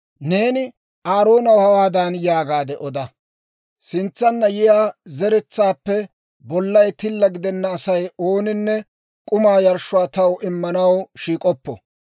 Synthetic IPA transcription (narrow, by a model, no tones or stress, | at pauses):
ne̞ːnɪ | ʔaːɾo̞ːnɐwhɐwaːd̪aːnjaːɡaːd̪ɛʔɔd̪ɐ | sɪnt͡sːɐnːɐjɪjaːzɛɾɛt͡sːaːpːɛ | bɔlːɐjt̪ɪlːɐɡɪd̪ɛnːɐːsɐjo̞ːnɪnːɛ | kʼʊmaːjɐɾʃʊwaːt̪ɐwɪmːɐnɐwʃiːkʼɔpːɔ̰